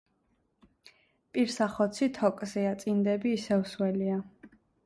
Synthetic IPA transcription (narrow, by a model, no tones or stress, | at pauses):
pʼiɾsaχɔt̪sʰit̪ʰɔkʼzɛat̪sʼind̪ɛbiːsɛvswɛlia